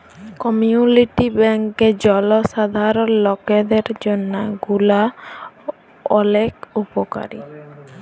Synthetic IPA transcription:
kɔmiuniʈibɛŋked͡ʒɔlɔsad̪ʱaɾɔnlɔked̪eɾd͡ʒonːaɡula | ɔlekupɔka̰ɾḭ

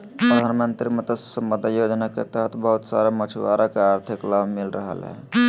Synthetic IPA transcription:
pɾəd̪ʱanmənt̪ɾimet̪əssəmbəd̪ʱajod͡ʒnaket̪əɦət̪ʰbəɦut̪sa̰ɾamət͡ʃʰuʋa̰ɾakeaɾt̪ʰiklabʱmilɾəɦə̰lɦɛ̰

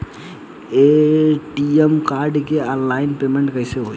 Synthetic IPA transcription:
eʈiemkaːɾɖkeaːnlaːɪnpeːmẽɳʈkəɪseɦoː

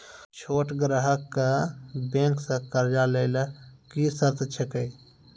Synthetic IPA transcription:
t͡ʃʰoːʈɡɾəɦəkːabẽːŋksɐ̃kəɾd͡ʒaleɪləkisəɾt̪t͡ʃʰekəj

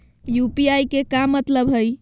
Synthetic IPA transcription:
jupiajkekamət̪ləbɦəj

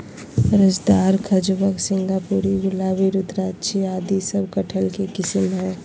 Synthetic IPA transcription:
ɾəd͡ʒd̪aːɾkʰɐd͡ʒbəksɪ̃ŋɡapuːɾiɡʊlaːʋiɾʊt̪ɾaːtːt͡ʃʰiaːd̪isəb̚kɐʈʰəlkekɪsəmɦɛ̃

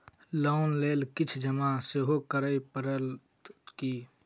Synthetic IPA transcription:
lɔʊnleːlkit͡ʃʰd͡ʒəmaseɦokəɾəjpəɾəl | ki

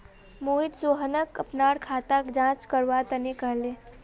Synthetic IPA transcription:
moɦit̪soɦənəkəpnaɽkʰat̪akd͡ʒãt͡ʃkəɾʋat̪ənekəɦle

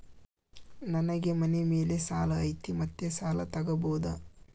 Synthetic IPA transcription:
nɐnɐɡe̞mɐnemeːle̞saːlɐːjt̪imɐt̪ːjesaːlɐt̪ɐɡɐboːd̪ɐ

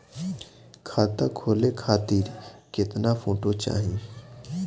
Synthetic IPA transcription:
kʰaːt̪akʰoːlekʰaːt̪iɾkɪt̪nafoːʈot͡ʃa̰ːɦĩː

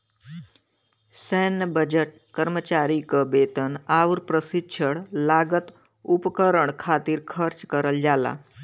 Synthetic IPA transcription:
sɛnəbəd͡ʒəʈ̚ | kəɾmət͡ʃaːɾikəbeːt̪ənaːʋuɾpɾəsitːʃʰəɽlaːɡət̪ | upkəɾəɳ̃kʰaːt̪iɾkʰəɾt͡ʃkəɾəld͡ʒaːla̰ː

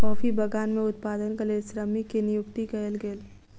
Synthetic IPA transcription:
kɔːfibɐɡaːnmẽʊt̪paːd̪ənkɐlesɾəmikenɪjʊkt̪ikɐlɡeːl

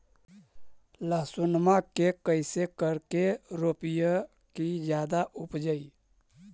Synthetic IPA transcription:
ləsunmakekəɪsekəɾkeɾoːpijə | kid͡ʒjaːd̪aʔʊpd͡ʒəi

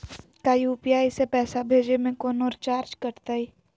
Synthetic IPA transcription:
kaːjupijaːjsepɛːsabʱeːd͡ʒemẽkɔːnɔːɾt͡ʃaːɾt͡ʃkəɾt̪aːiː

